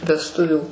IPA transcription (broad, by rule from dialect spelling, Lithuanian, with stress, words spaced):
ʋʲɛsˈtʊʋʲuː